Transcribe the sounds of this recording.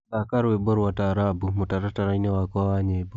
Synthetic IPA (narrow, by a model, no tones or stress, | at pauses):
sakaɾwebɔɾwataɾabumutaɾataɾainewakɔawaɲebo